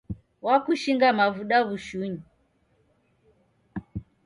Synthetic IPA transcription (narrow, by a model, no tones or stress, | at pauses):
wakuʃiŋɡamavuɗaβuʃuɲi